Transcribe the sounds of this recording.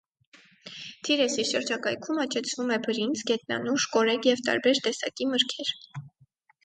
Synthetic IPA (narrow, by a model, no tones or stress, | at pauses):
t̪ʰiɾɛsiʃəɾd͡ʒɑkɑjkʰumɑt͡ʃʰɛt͡sʰvumɛbəɾind͡zɡɛt̪̚nɑ̰nuʃkɔɾɛkjɛvt̪ɑ̰ɾbɛɾt̪ɛsɑ̰kiməɾkʰɛɾ